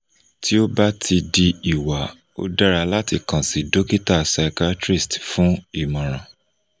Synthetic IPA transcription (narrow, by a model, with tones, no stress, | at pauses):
tʰi˦o˦ba˦tʰi˧di˧i˨wa˨˦ | o̰˦da˦ɾa˧la˦ti˧kã˨si˨do˦ki˦ta˦˨sa˧ka˦tɾi˦˨stfũ˨˦i˦˨mɔ̃˨ɾ̃ã˨